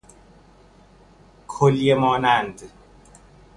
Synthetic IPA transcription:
kʰoljemɒːnænd̪

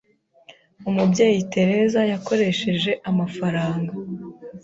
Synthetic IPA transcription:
umubɟeːjite̞ɾe̞zajako̞ɾe̞ʃe̞ʒe̞ʔamafaɾaːŋɡa

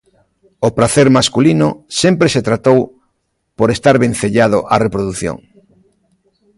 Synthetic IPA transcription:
opɾaθeɾmaskulinʊsempɾeset̪ɾat̪ow | poɾest̪aɾβẽn̟θeʎað̞oʔarepɾoðuθjõ̰ŋ

